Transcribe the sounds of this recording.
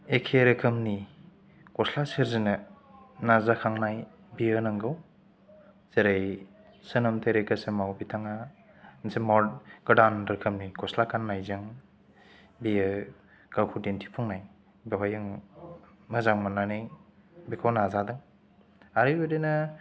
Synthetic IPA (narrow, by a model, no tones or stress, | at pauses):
ekʰeɾɯkʰɯmni | kɔslasiɾzinɯ | nazakʰaŋnaj | bijənaŋɡɯw | z̥eɾaj | sɯnɐmtʰeɾekəsemawbitʰaŋa | nsemɔɡ̥ɐdanɾɐkʰɯmnikɔslakʰanːajzaŋ | biə | ɡ̥awkʰudentʰi̥pʰuŋnaj | beɦɔjaŋ | mɐzaŋmanːaneŋ | bikʰawnazadɯŋ | aɾɯjbedɯnɯ